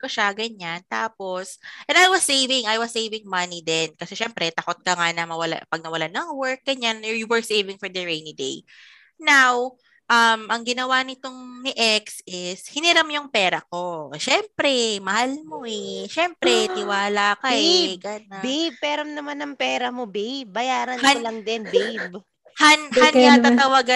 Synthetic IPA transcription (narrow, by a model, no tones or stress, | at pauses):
koʃaɡɐɲant̪aːpo̞sʔɛ̃najwɐsːejvɪŋajwɐsːejvɪŋmɐnid̪ɛnkɐsɛʃɛmpɾɛt̪ɐkot̪̚kɐŋanɐmɐwɐla̰pɐɡ̚nɐwɐlanɐŋwɛɹk̚ɡɐɲanɛɹjuwɛɹsejvɪŋfɔɹd̪ɐɹejnid̪ḛj | naw | ʔɐmʔɐŋɡɪnɐwanɪt̪o̞ŋnɪʔɛksɪshɪnɪɾɐmjʊŋpɛːɾɐko̞ʃɛmpɾɛmɐhalmo̞ʔɛʃɛmpɾɛt̪ɪwaːlakɐɛɡɐnbejb̚pɛɾɐmnɐmanɐŋpɛːɾɐmobejb̚ːɐjaːɾɐnaolɐŋd̪ɪnbejb | hananɡat̪at̪ɐwaɡa